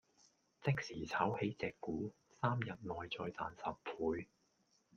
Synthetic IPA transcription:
t͡sɪ˥k̚siː˨˩t͡sʰaː˨˥whe˨˥jt͡sɛː˨kːuː˨˥ | saː˥mjɐ˨t̚nɔː˨jt͡sɔː˧jt͡saː˨nsɐ˨p̚pʰuː˨˧j

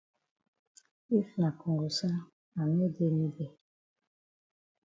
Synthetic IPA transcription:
i˦fna˨ko˨ŋɡo˨sa˦ | a˨nɛ˦de˦ni˦ɡɛ˨

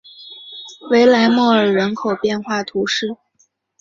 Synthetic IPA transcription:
we˧˥ɪla˧˥ɪmwɔ˥˩ə˞˨˩ɻə˧˥nkʰo˨˩ʊpjɛ˥˧nxwa˥˩t̪ʰu˧˥ʂɻ̩˥˩

